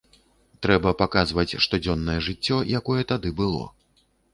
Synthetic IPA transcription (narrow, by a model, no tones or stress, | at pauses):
t̪ɾɛbɐpakazvɐt͡sʲʂt̪ɔd͡zʲɔnːɐjɛʐɨt͡sʲːɔjakɔjɛt̪ad̪ɨbɨlˠɔ̰